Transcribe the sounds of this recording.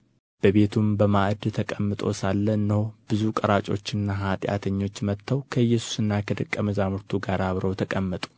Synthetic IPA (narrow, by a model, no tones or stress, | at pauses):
b̥əβe̞t̪ʰumbəmaʔd̪t̪ʰəkʼəmːɨt̪ʼo̞̰salːənːhob̥ɨzukʼəɾat͡ʃʼo̞t͡ʃːɨnːaɦat̪ʼja̰t̪ʰəɲːo̞t͡ʃːmət̪ːəwkʰəɨjːɛsu̥sɨnːakʰəd̪ɨkʼːəməzamɨɾt̪ʰuɡaɾaβɾəwt̪ʰəkʼəmːət̪ʼu̥